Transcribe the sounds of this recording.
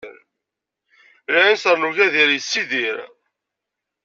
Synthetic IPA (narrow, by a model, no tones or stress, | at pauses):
ɾ | lænsəɾnuʝæðiɾjəsːiðiɾ